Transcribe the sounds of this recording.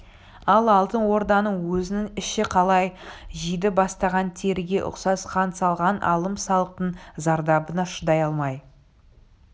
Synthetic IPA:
ɑlˠɑlˠt̪ənwo̞ɾd̪ɑnəɴwɵzɪnɪŋɪʃɪqʰɑlˠɑjʒijd̪ɪbɑst̪ɑʁɑnt̪ʰe̞ɾɪɡʲe̞ʔʊ̰qsɑsqʰɑnt̪sɑlˠʁɑnʔɑ̰lˠəmsɑlˠəq̚t̪əɴzɑɾd̪ɑbənɑʃəd̪ɑjɑlˠmɑj

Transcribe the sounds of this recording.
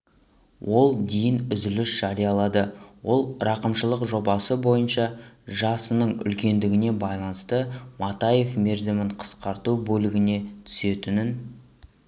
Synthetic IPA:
wʔo̞lˠd̪ejɪnʏzɪlɪʃʒ̥ɑɾijɑlˠɑd̪əwo̞lˠɾɑqəmʃəlˠəqʒo̞bɑsəbo̞jənʃɑʒɑsənəɴʏ̰lkʲe̞nd̪ɪɡʲɪne̞bɑjlˠɑnəst̪əmɑt̪ɑje̞fme̞ɾzɪmɪɴqʰə̥sqɑɾt̪ubɵlɪɡʲɪne̞t̪ʰʏ̥se̞t̪ɪnɪn

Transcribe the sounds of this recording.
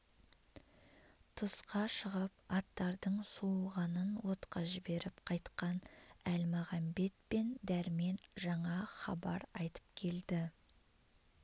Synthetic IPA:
t̪ʰəsqɑʃəʁəp̚ɑt̪ːɑɾd̪əɴsuʁɑnənwo̞t̪qɑʒɪbe̞ɾɪpqʰɑjt̪qɑnælmɑʁɑmbe̞t̪̚pe̞nd̪æɾme̞nʒɑɴɑχɑ̰bɑ̰ɾɑjt̪ə̥pkʲʰe̞ld̪ɪ

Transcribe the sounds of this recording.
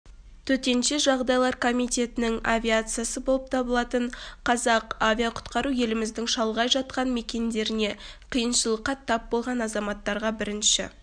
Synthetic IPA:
t̪ʰɵt̪e̞nʃeʒɑʁd̪ɑjlˠɑɾkʰo̞mijt̪ʲe̞t̪ɪnɪŋavʲiat̪sɨjasəbolˠəp̚t̪ʰɑbəlˠɑt̪əɴqʰɑzɑqavʲijaqʰʊ̥t̪qɑɾuje̞lɪmɪzd̪ɪŋʃɑlˠʁɑjʒɑt̪̚qɑnme̞kʲe̞nd̪e̞ɾɪne̞qʰijənʃəlˠəqːɑt̪ʰɑp̚bo̞lˠʁɑnɑzɑmɑt̪ːɑɾʁɑbɪɾɪnʃɪ̰

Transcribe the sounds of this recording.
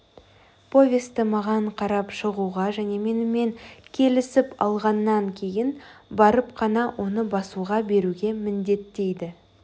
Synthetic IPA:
pʰo̞vʲest̪ɪmɑʁɑɴqʰɑɾɑpʃəʁuʁɑʒæne̞me̞nɪme̞ŋkʲʰe̞lɪsɪpɑ̰lˠʁɑnːɑŋkʲʰe̞jɪnbɑɾəpqʰɑnɑwʔo̞nəbɑsuʁɑbe̞ɾuɡʲe̞mɪnd̪e̞t̪ːe̞jd̪ɪ

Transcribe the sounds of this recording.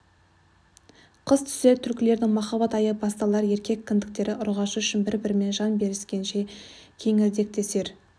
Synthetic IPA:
qʰəzt̪ʰʏ̥set̪ʰʏɾkʲɪle̞ɾd̪ɪŋmɑχɑbɑt̪ɑjəbɑst̪ɑlˠɑɾje̞ɾkʲʰe̞kʲʰːɪnd̪ɪk̚t̪e̞ɾɪʔʊɾʁɑʃəʏʃɪnbɪɾbɪɾɪme̞nʒɑnbe̞ɾɪskʲe̞nʃe̞kʲʰe̞ŋɪɾd̪e̞k̚t̪e̞se̞ɾ

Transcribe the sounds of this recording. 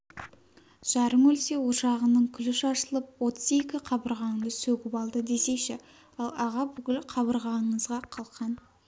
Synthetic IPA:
ʒ̥ɑɾəmɵlse̞woʃɑʁənəɴkʲʰʏlɪʃɑʃəlˠəp̚wo̞t̪ʰəze̞kʲɪqʰɑbəɾʁɑɴd̪əsɵɡʲɪpɑlˠd̪əd̪e̞se̞ʃɪ | ɑlˠɑʁɑbʏkʲɪlqʰɑβəɾʁɑəɴəzʁɑqʰɑlˠqɑn

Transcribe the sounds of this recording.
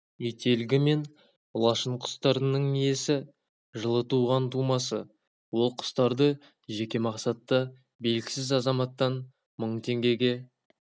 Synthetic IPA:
jet̪ʰe̞lɡʲɪme̞n | lˠɑʃəɴqʰʊ̥st̪ɑɾnəɴije̞sɪ | ʒəlˠət̪uʁɑnt̪ʰumɑsə | wo̞lˠqʰʊ̥st̪ɑɾd̪ə | ʒe̞kʲe̞mɑqsɑt̪ːə | be̞jlkʲɪ̥sɪzɑzɑmɑt̪ːɑn | məɴt̪ʰe̞ŋɡʲe̞ɡʲe̞

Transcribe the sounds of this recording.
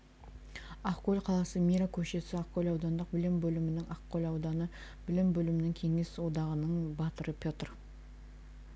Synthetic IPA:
aqkolʲqʰɑlˠɑsəmiɾakʲʰɵʃe̞sɪaqkolʲɑwd̪ɑnd̪əq̚bɪlɪmbɵlɪmɪnɪŋɑqqolʲɑwd̪ɑnə | b̥ɪlɪmbɵlɪmɪnɪŋkʲʰe̞ŋe̞swo̞d̪ɑʁənəɴbɑt̪əɾəpʰʲjo̞t̪ər

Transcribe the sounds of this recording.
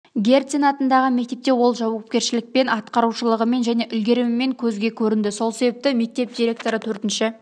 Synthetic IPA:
ɡʲe̞rt̪sinɑt̪ənd̪ɑʁəme̞k̚t̪e̞p̚t̪e̞wo̞lˠʒɑwɑp̚kʲe̞ɾʃɪlɪk̚pe̞nɑt̪qɑɾuʃəlˠəʁəme̞nʒæne̞ʔʏlɡʲe̞ɾɪmɪme̞ŋkʲʰɵzɡʲe̞kʲʰɵɾɪnd̪ɪso̞lˠse̞be̞p̚t̪ɪme̞k̚t̪e̞p̚d̪ʲiɾʲe̞k̚t̪o̞ɾət̪ʰɵɾt̪ɪnʃɪ

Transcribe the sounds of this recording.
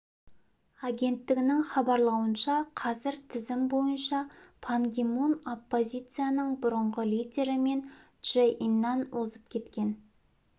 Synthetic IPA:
aɡʲe̞nt̪ːɪɡʲɪnɪŋχɑbɑɾlˠɑwənʃɑqʰɑzɪɾt̪ʰɪzɪmbo̞jənʃɑpʰaŋɡʲimuno̞pːo̞zʲijt̪sɨjanəɴbʊɾəɴʁəlˠijdʲe̞ɾɪme̞n | ʒ̥eʔinːɑnwozəpkʲʰe̞t̪kʲe̞n

